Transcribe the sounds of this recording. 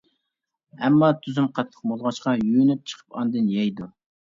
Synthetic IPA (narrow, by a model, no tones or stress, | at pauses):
ɛmːɑt̪ʰyzymqʰɑt̪ːʰə̥q̚molˠʁɑʃqɑjynyp̚t͡ʃʰə̥qʰə̥pɑnd̪ɨnjɛjd̪u